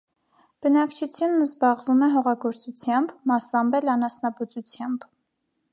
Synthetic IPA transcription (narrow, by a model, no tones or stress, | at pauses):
b̥ənɑkt͡ʃʰut͡sʰjunːəzbɑʁvumɛɦɔʁɑɡɔɾt͡sut͡sʰjɑmbmɑsɑmbɛlɑnɑsnɑbut͡sut͡sʰjɑmb